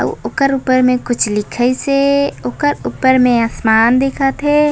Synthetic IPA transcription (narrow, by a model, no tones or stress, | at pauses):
ə̰ʋo̰ːkəɾuːpəɾmẽkʊt͡ʃʰlɪkʰəiseoːkəɾuːpəɾmẽaːsmaːnd̪eːkʰət̪ɦɛ